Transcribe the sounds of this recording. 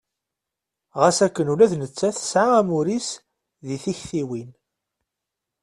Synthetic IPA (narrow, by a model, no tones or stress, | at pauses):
ʁæsækːənulæðnət͡sːæθə̥sʕaæmuɾis | ðiθiçθiwin